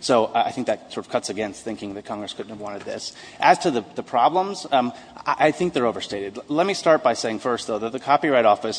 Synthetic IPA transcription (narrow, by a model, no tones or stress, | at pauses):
soʊa̰ɪθɪ̃ŋk̚ðɨt̚sɔɹɾʌv̥kʰʌtsɨɡɛ̃nst̪θɪ̃ŋkɪ̃ŋðɨt̚kʰɑ̃ŋɡɹɨskʰʊdⁿn̩həvwɑ̃ñɨd̪̚ðɪsʔɨz̥tʰɨðɨðɨpʰɹ̥ɑblə̃mz̥ | aʔaɪθɪ̃ŋk̚ðə˞oʊvə˞steɪɾɨdlɛt̚mistɑɹt̚b̥aɪseɪɪ̃ŋfɜ˞st̚ðoʊðɨt̪̚ðɨkʰɑpiɹaɪɾɔfɨs